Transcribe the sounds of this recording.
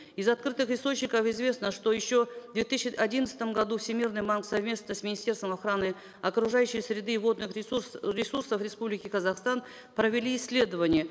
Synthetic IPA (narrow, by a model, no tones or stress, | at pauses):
ɪzat̪̚kɾɨt̪ɨχɪst̪o̞t͡ɕnʲɪkəfɪzvʲe̞snəʂt̪o̞jɪɕːo̞d̪vʲe̞t̪ɨsːɪʔadʲinət̪sə̥t̪əmɡad̪ufsʲɪmʲirnɨjbanksɐvmʲe̞st̪nəsʲmʲɪnʲɪsʲtʲe̞rst̪vəmaχɾanɨ | ɐkɾʊʐajʉɕːɪjsɾʲɪd̪ɨvo̞d̪nɨχɾʲɪsursəfrʲɪspublʲɪkʲɪkɐzaχst̪an | pɾəvʲɪlʲiːsʲːlʲe̞d̪əvənʲɪjə